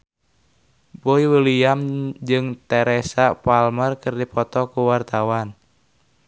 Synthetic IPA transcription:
bɔiwəlijamd͡ʒɨŋt̪ɛɾɛsapalmərkɨrdipɔt̪ɔkuwart̪awan

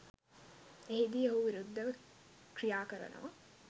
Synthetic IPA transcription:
eɦid̪iːeɦuʋiɾud̪ːɐʋəkrijaːkəɾɐ̰nʔṵʋɐ

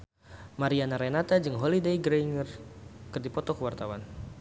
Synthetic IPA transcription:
maɾianaɾenat̪ad͡ʒɨŋɦɔlidejɡɾeŋərkɨrdipɔt̪ɔkəwart̪awan

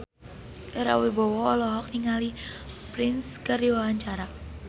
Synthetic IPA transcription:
ɾa̰webɔwɔːlɔɦɔk̚niŋalipɾɪnskərdiwawaɲt͡ʃaɾa

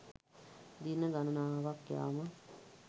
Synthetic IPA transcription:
d̪inːəɡanunaːɦaʋakːja̰ːmə

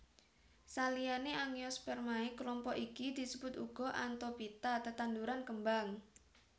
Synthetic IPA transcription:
salijaneʔaŋjɔspɛrmaikəlɔmpɔʔikid̪isəbʊt̪uɡ̥ɔ̤ʔant̪opit̪at̪ət̪and̪uɾankəmbaŋ

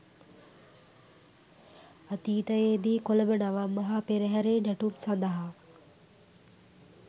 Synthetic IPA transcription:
at̪iːt̪əjeːd̪iːkoləbənaʋamːɐɦapeɾəɦɛɾeːnɛʈumsand̪aɦa

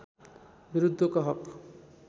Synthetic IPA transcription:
biɾud̪ʱːokʌɦʌk

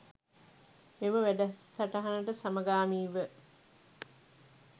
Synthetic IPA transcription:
meməʋæɖɐsɐʈɐɦanəʈəsamɐɡaːmiːʋə

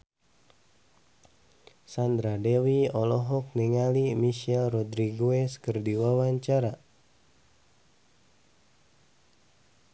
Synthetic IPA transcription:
sand̪ɾadewiɔlɔɦɔk̚nɛŋalimiʃɛlrɔdɾiɡuɛskərdiwawaɲt͡ʃaɾa

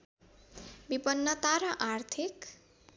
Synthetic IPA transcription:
bibʌnːʌt̪aɾʌʔart̪ʰik

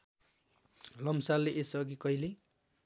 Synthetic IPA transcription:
lʌmsalːeʔesʌɡikʌjle

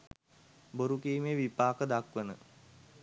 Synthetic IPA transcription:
boɾukiːmeʋipaːkəd̪akʋənə

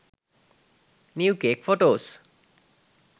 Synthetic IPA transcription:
niukekfoʈos

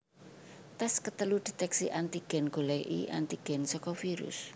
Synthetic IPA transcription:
t̪askət̪əlud̪̥e̤t̪ɛksiʔant̪iɡ̥ɛ̤nɡ̥o̤lɛjʔḭʔa̰nt̪iɡ̥ɛnsɔkɔfiɾʊ̰s

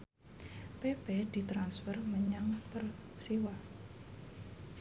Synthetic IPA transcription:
pebed̪̥i̤t̪ɾansfərməɲaŋpərsiwa

